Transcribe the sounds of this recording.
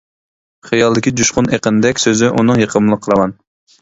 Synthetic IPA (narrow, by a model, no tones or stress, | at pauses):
χɨjɑlˠd̪ɪkʲid̪uʃqʊneqənɪd̪ɛkʲsøzɪʔunɨŋjeqʰəmlˠəqʰəɾˠɑmɑn